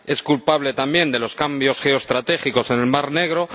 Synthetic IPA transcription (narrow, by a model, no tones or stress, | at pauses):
e̞skulpaβle̞t̪ambje̞nd̪e̞lo̞skambjo̞sxe̞oest̪ɾat̪e̞xiko̞se̞ne̞lmaɾne̞ɣ̞ɾo̞